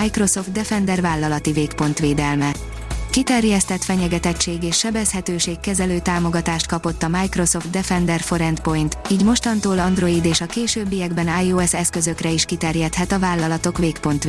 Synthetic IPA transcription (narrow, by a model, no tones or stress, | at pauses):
ajkro̞so̞ft̪̚d̪ɛfɛnd̪ɛrvaːlːɒlɒt̪iveːkpo̞nt̪ʋeːd̪ɛlmɛ | kit̪ɛrjɛst̪ɛt̪fɛɲɛɡɛt̪ɛct͡ʃːeːɡeːʃːɛbɛshɛt̪øːʃeːkːɛzɛløːt̪aːmo̞ɡɒt̪aːʃt̪kɒpo̞t̪ːɒmaːjkro̞so̞ft̪̚d̪ɛfɛnd̪ɛrfo̞ɾɛnt̪po̞jnt̪iːɟmo̞ʃt̪ɒnt̪oːlɒnd̪ro̞id̪eːʃɒkeːʃøːbːijɛɡbɛnaːjoɛsɛskø̞zø̞krɛiʃkit̪ɛrjɛt̪hɛt̪ɒvaːlːɒlɒt̪o̞kʋeːkpo̞nt̪